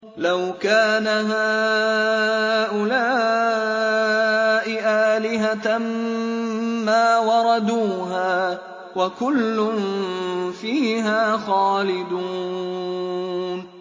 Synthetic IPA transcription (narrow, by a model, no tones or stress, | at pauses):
lawkaːnaɦaː | ʔʊlaː | ʔɪʔaːlɪɦaa | maːwɑɾˤɑd̪uːɦaː | wakʊlːʊn | fiːɦaːxɑːlɪd̪uː | n